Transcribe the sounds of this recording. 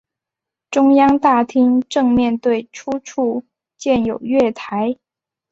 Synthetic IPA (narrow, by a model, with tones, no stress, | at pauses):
ʈ͡ʂʊ˥ŋjɑ˥ŋt̪a˥˩t̪ʰi˥ŋʈ͡ʂɤ˥˧ŋmjɛ˥˧nt̪we˥˩ɪʈ͡ʂʰu˥ʈ͡ʂʰu˥˧ | t͡ɕjɛ˥˩njo˨˩ʊɥɛ˥˩t̪ʰa˧˥ɪ